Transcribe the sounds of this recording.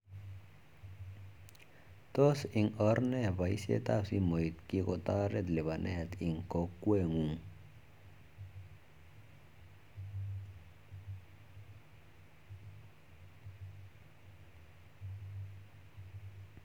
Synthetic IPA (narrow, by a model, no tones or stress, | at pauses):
t̪osiŋɔɾnɛβajsḛt̪asimojt̪kikot̪aɾet̪leβanʔɛ̰hɛt̪iŋkokːweŋuŋ